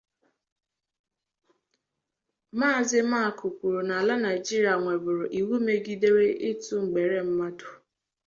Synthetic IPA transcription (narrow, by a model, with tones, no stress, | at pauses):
maː˦˨zɪ˦ma˦a˨kʰʊ˨kʷu˨ɾu˨na˨la˦na˨ɪ˨d͡ʒi˦ɾi˨a˨ŋʷe˨bʊ˨ɾʊ˨ʔi˨wu˦me˨ɡi˦de˦ɾe˦ʔɪ˦tu˦ŋ͡m̩˨ɡ͡be˨ɾe˦m̩˦ma˦dʊ˨